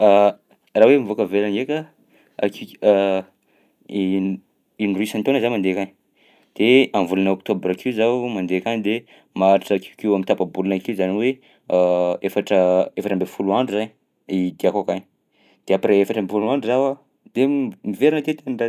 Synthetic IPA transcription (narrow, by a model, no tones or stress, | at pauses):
a | rawemivokəvelanɡeka | a̰ki | inruisant̪onzamand̪ekan | d̪̥eamvulunaokt̪obɾakizamand̪ekand̪e | maɾaʈ͡ʂəkikiwamint̪apabulunakiuzaniwe | efaʈ͡ʂəefaʈ͡ʂəmbefuluaɳɖ͡ʐuzaɲi | id̪eakakaɲ | d̪̥eapɾeefaʈ͡ʂəmbefuluaɳɖ͡ʐuzawa | d̪̥emiveɾinat̪et̪eɳɖ͡ʐa